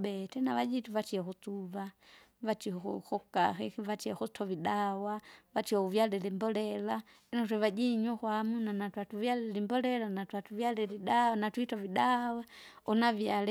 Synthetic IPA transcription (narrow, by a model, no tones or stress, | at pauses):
bɛtɛnavad͡ʒituvatiakut͡suva | vat͡ʃihɔxṵxɔkaxɛkivat͡ʃiaxutʰɔviɗawavat͡ʃiɔuvjalɛlimbɔlɛla | ɛnatwɛvad͡ʒiɲɔkwamunanatwatuvjalɛlimbɔlɛlanatwatuvjalɛliɗanatwitɔviɗawa | ɔnavjalɛ